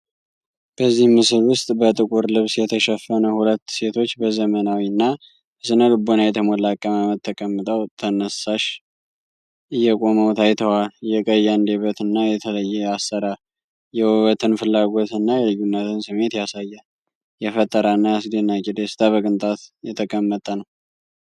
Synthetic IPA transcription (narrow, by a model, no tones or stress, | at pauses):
b̥əzːihmɨsɨlwʊst̪ʼbət̪ʼɨkʼuɾlɨβsjɛt̪ʰəʃɛfːənəhulət̪ːse̞t̪ʰo̞t͡ʃːbəzəmənawinːa | sɨnəlɨbonajɛt̪ʰəməlakʼːəmamət̪ʰːəkʼəmːɨt̪ʼəwt̪ʰənəsaʃ | ɨjːɛkʼo̞məwt̪ʰajt̪ʰəwaljɛkʼəjːand̪eβət̪ɨnːajɛt̪ʰələjːɛasːəɾa | jɛwwət̪ʰɨnfɨlːaɡo̞t̪ɨnːajɛlɨjːunːət̪ʰɨnsɨme̞t̪jasajːə | jɛfət̪ʼːəɾanːaasd̪enːakʼid̪esɨ̥t̪ʰaβəkʼɨnt̪ʼat̪jɛt̪ʰəkʼəmːət̪ʼənəw